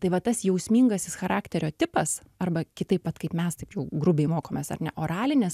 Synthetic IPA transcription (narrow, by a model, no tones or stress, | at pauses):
t̪ɐɪʋɐt̪ɐsjɛʊsʲmʲiːŋɡɐsʲɪsxɐɾɑːkt̪ʲɛɾʲoːt̪ʲɪpɐs | ɐrbɐkʲɪt̪ɐɪpʋɐt̪kɐɪpmʲɛst̪ɐɪpjɛʊɡɾʊbʲɛɪmoːkoːmʲeːsɐ̰rnʲɛʔoːɾɑːlʲɪnʲɪs